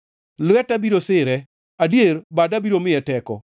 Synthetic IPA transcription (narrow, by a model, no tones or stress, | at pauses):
lʊwɛtabiɾosɪɾɛ | adjeɾbadabiɾomɪɛtɛkɔ̰